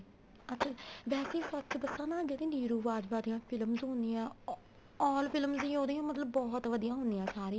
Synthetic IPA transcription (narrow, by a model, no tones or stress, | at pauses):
ətːt͡ʃʰaːʋɛːseːsətːt͡ʃd̪əsːãːnãːd͡ʒed̪ĩːniːɾuːʋaːd͡ʒbaːd̪ijãːpʰɪlmzɦõːnd̪iːãː | ɔːlpʰɪlmzd̪iːoːd̪ĩãːmət̪ləbːɔːɦt̪ʋəd̪ijãːɦõːnd̪ijãːsaːɾiː